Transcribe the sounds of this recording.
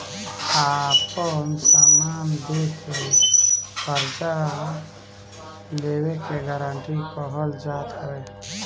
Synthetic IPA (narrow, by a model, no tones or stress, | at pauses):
apənsamand̪ekʰe | pəɾd͡ʒa | lewekeɡəɾaɳʈikəɦəld͡ʒat̪ɦəe